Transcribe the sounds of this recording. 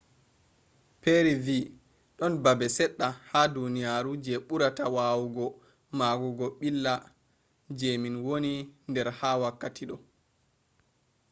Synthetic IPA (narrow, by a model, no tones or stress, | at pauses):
peɾivi | ɗɔnbabɛsɛɗːahadunijaɾud͡ʒɛɓuɾatawaːwuɡɔ | maɡuɡɔɓilːa | d͡ʒeminwonindɛɾhawakːatʰiɗɔ